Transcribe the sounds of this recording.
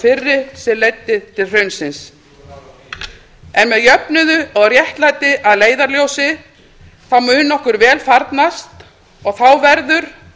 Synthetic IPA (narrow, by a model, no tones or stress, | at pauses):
fɪrːɪsɛlejt̪ːɪðt̪ʰɪlr̥œɥnsɪns | ɛnmɛðjœpnʏðʏɔɣrjɛht̪lajt̪ɪʔaðleːjðaɾljowsɪ | θawmʏːnːɔhkʏɾvɛːlfaɾt̪nast̪ | ɔɣθawvɛɾðʏɾ̥